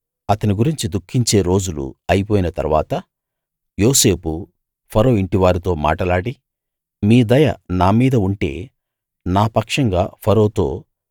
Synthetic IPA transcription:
ɐt̪ɐniɡuɾiɲt͡ʃid̪ukʰːiɲt͡ʃe̞ːɾo̞ːd͡ʒulṵɐjipoːjinɐt̪ɐ̰ɾʋa̰ːt̪ɐ | jo̞ːse̞ːpu | pʰɐɾo̞ːiɳʈiʋaːɾit̪o̞ːma̰ːʈɐlaːɽi | miːd̪ɐjɐ̰naːmiːd̪ɐuɳʈe̞̰ː | naːpɐkʂɐŋɡa̰ːpʰɐɾo̞ːt̪o̞̰ː

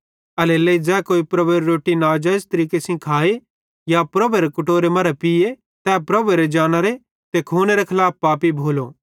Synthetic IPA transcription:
ɐleleid͡zɛːkoːipɾɐbeɾeɾoːʈinaːd͡ʒɐst̪ɐɾiːkesĩkʰaːe | japɾɐbeɾekʊʈoːɾemɐɾɛpie | t̪ɛːpɾɐbeɾed͡ʒaːñaɾe | t̪ekʰoːneɾekʰɐlaːp̚paːpibʱoːlo

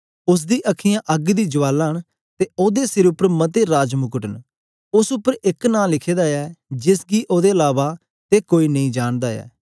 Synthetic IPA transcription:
ʊs̬d̪iːʔəkʰɪjãːʔəɡd̪iːd͡ʒʊʋaːlaːɳ | t̪eːoːd̪eːsɪɾʊpːəɾmət̪eːɾaːd͡ʒmʊkəʈən | ʊsʊpːəɾɪknaːlɪkʰeːd̪aːɛːd͡ʒɪsɡiːʔoːd̪eːəlaːʋaː | t̪eːkoːiːnəĩːd͡ʒaːɳd̪aːɛ̰ː

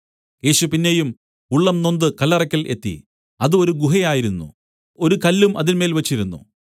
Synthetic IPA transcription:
je̞ːɕupinːejum | uɭːɐmno̞nd̪ɨkɐlːɐrɐkʲːɐlʔe̞t̪ːḭ | ɐðɨo̞ɾuɡuɦɐjaːjiɾunːṵ | o̞ɾukɐlːumʔɐðinme̞ːlʋɐt͡ɕːiɾunːṵ

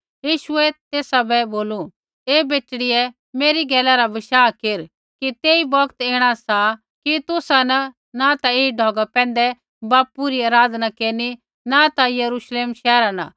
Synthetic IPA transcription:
jiːʃʊɛt̪eːsabɛboːlu | eːbeːt͡ʃɽiɛ | meːɾiɡɛːlaɾabɪʃaːkeɾ | kit̪eːibɔkt̪eːɽ̃asa | kit̪ʊsanɐ | nat̪aeːiɖʱɔːɡapɛ̃ːn̆d̪ɛ | baːpuɾiaːɾaːd̪nakeːɾni | nat̪ajɐɾuːʃleːmʃɛːɾana̰

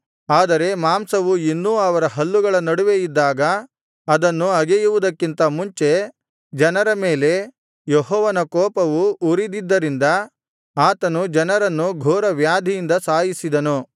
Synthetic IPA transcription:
aːd̪ɐɾe̞maːmsɐʋuinːuɐʋɐɾɐɦɐlːuɡɐɭɐnɐɽuʋe̞jid̪ːaːɡɐː | d̪ɐnːuɐɡejuʋud̪ɐkːint̪ɐmuɲt͡ʃe̞ | d͡ʒɐnɐɾɐme̞ːle̞ | jeɦɔːʋɐnɐkɔːpɐʋuuɾid̪id̪ːɐɾind̪ɐ | aːt̪ɐnud͡ʒɐnɐɾɐnːuɡʱɔːɾɐʋjaːd̪ʱijind̪ɐsaːjisid̪ɐnu

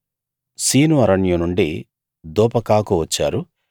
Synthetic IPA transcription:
siːnuɐɾɐɳjunuɳɖi | d̪ɔːpɐkaːkuʋɐt͡ʃːa̰ːɾu

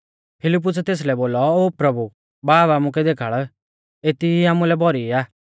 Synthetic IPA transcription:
pʰɪlɪp̬ːʊsɛt̪eːs̬lɛboːlɔoːpɾɐbu | baːbaːmuk̬ɛd̪eːkʰaːɭ | et̪iiaːmulɛbɔɾiaː

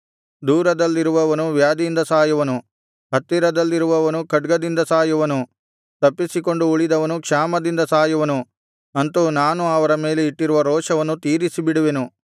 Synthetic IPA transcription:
d̪uːɾɐd̪ɐlːiɾuʋɐʋɐnuʋjaːd̪ijind̪ɐsaːjuʋɐnu | ɦɐt̪ːiɾɐd̪ɐlːiɾuʋɐʋɐnukɐɖɡɐd̪ind̪ɐsaːjuʋɐnu | t̪ɐpːisiko̞ɳɖuːɭid̪ɐʋɐnukʂaːmɐd̪ind̪ɐsaːjuʋɐnu | ɐnt̪unaːnuɐʋɐɾɐme̞ːleiʈːiɾuʋɐɾɔːʂɐʋɐnːut̪iːɾisibiɽuʋenu

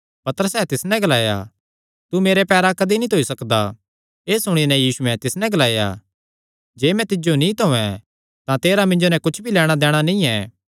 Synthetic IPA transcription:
pɐt̪əɾəsɛːt̪ɪsnɛ̃ɡɐlaːja̰ | t̪umeːɾepɛːɾakɐd̪init̪ʰoisɐkd̪a | eːsʊɽ̃inɛ̃jiːsuɛ̃t̪ɪsnɛ̃ɡɐlaːja̰ | d͡ʒeːmɛ̃t̪ɪd͡ʒonĩt̪oɛ̃ | t̪ãt̪eːɾamɪ̃ɲd͡ʒonɛ̃kʊt͡ʃʰbʱilɛːɽ̃ad̪ɛːɽ̃anĩɛː

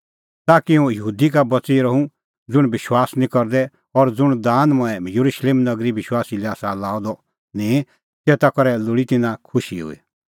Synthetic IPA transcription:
t̪akiũjəɦuːd̪ikabɐt͡siɾɐɦũ | d͡zʊɽ̃bɪʃwaːsnĩkɔɾd̪ɛ | ɔɾd͡zʊɽ̃d̪ãːnmɔ̃ɛ̃jɐɾuʃleːmnɐɡɾibɪʃwaːsilɛaːsalaːɔd̪ɔ | nĩ | t̪eːt̪akɔɾɛlʊɽit̪ɪnãkʰʊʃiɦʊ̰ḭ

